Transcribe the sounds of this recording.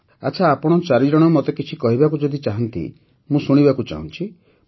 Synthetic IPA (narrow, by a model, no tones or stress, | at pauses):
at͡ʃʰaːpɔɽ̃ɔt͡ʃaɾid͡ʒɔɽ̃ɔmɔt̪ekit͡ʃʰikɔɦibakud͡ʒɔd̪it͡ʃaɦɔnt̪ḭ | mũsuɽ̃ibakut͡ʃa̰ɦũnt͡ʃʰi